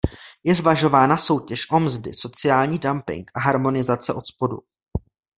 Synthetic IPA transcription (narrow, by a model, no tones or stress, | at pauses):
jɛzvaʒo̞vaːnaso̞wcɛʃʔo̞mzdɪ̰so̞t͡sɪjaːlɲiːdampɪ̰ŋkʔaɦaɾmo̞nɪzat͡sɛʔo̞t̪spo̞dṵ